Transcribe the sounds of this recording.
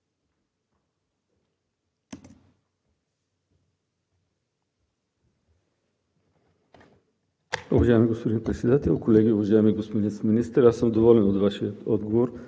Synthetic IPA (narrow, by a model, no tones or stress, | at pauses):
ṵvaʒaimiɡospod̪inpɾɛt̪sɛd̪at̪ɛlˠkolɛɡʲiʊvaʒaɛmiɡospod̪inminist̪əɾasəmd̪ovɔlɛnod̪vaʃiət̪ɔd̪ɡovoɾ